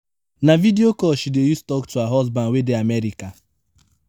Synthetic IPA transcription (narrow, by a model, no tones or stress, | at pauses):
navidiokɔʃidejustɔktuaɦɔsbãnwedeamɛɾika